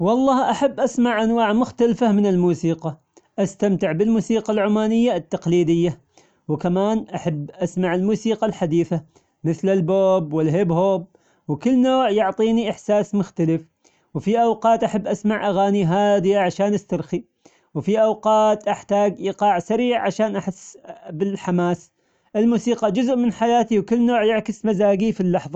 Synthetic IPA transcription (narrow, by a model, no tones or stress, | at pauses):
wɑlˤːɑːhʔaħabːʔasmaʕʔanwaːʕmʊxt̪alfamɪnɪlmuːsiːqɑ | ʔast̪amt̪ɪʕbɪlmuːsiːqalʕʊmaːnɪjːat̪ːɑqliːd̪ɪjːa | wkamaːnʔaħabːʔasmaʕɪlmuːsiːqɑlħad̪iːθa | mɪθlɪlboːbwɪlɦɪbhoːb̚ | wkɪlːnoːʕjʊʕt̪ˤiːniʔɪħsaːsmʊxt̪alɪf | wfiʔawqɑːt̪ʔaħabːʔasmaʕʔaɣaːniɦaːd̪ɪjaʕaʃaːnʔast̪ɑɾˤxi | wfiʔawqɑːt̪ʔaħt̪aːɡʔiːqɑːʕsaɾiːʕʕaʃaːnʔaħɪsːbɪlħamaːs | ʔɪlmuːsiːqɑd͡ʒʊzʔmɪnħajaːt̪iwkɪlːnoːʕjɪʕkɪsmazaːɡifilːɑħðˤɑ